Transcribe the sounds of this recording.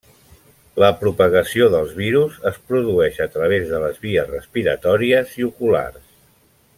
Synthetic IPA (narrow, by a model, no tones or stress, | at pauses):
ləpɾupəɣəsioðəlˠzβiɾuzəspɾuðuɛʃət̪ɾəβ̞ezðələzβiəzrəspiɾə̰t̪ɔɾiəziukula̰rs